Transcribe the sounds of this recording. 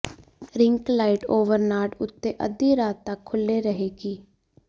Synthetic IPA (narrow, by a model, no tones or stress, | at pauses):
ɾɪ̃ŋklaːɪʈoːʋəɾnaːʈʊt̪ːeʔə̰d̪iɾaːt̪ːakʰːʊlːeɾəɦeːɡiː